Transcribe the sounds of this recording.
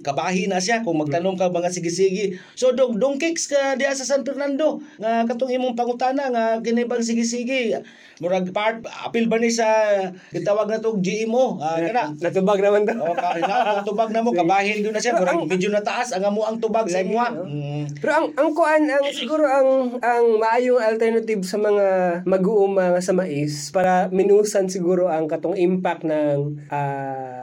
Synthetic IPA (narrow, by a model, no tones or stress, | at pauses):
kabaːɦɪnaʃ̬jakʊŋmaɡ̚t̪anomkaŋmaŋasɪɡɪsiɡɪ | sod̪oɡ̚d̪ʊŋkɪkskad̪ɪhaʔsasanpɪɾnand̪oŋak̬at̪ʊŋimʊŋp̬aŋʊt̪anaŋakɪnɪbaŋs̬ɪɡɪs̬iɡɪ | mʊɾaɡpaɾt̪̚a̰pɪlbanɪs̬aɡɪt̪awaɡ̚nat̪ʊɡd͡ʒɪʔɪmoaanaʔnɐt̪ʊbaɡ̚nɐmant̪ooaat̪ʊbaɡ̚nɐmokɐbaːhɪnɡɪnɐʃaɾaŋɡmɪd͡ʒonɐt̪aʔasɐŋɐmoʔɐŋt̪ʊbaɡajma | pɛɾoʔɐŋʔɐŋkʊʔanɐŋsɪɡuːɾoʔɐŋɐŋmɐʔaːjoŋɐlt̪ɛɾnɐt̪ɪbsɐmɐŋamɐɡuʔʊmɐŋasɐmaʔɪspaːɾɐmɪnuːsɐnsɪɡuːɾoʔɐŋkɐt̪oŋʔɪmpak̚nɐŋʔa